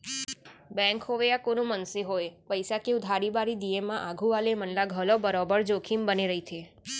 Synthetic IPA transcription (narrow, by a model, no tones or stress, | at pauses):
bɛ̃ŋkɦoʋeakonũmənseɦojpəjsakeud̪ʱaɾibaɾid̪iemːãʔaɡʱũʋalemənlaɡʱəlobəɾɔbəɾd͡ʒokʰimbəneɾəɦit̪ʰe